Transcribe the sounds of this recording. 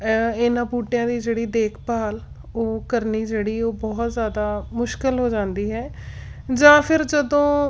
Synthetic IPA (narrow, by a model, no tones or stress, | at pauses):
ɪnãːpuːʈɪjãːd̪iːd͡ʒeːɽiːd̪eːkʰpaːl | oːkəɾniːd͡ʒeːɽiːoːbɔːt̪zjaːd̪aːmʊʃkɪlɦoːd͡ʒãːnd̪iːɦɛːd͡ʒãːpʰɪɾd͡ʒəd̪õː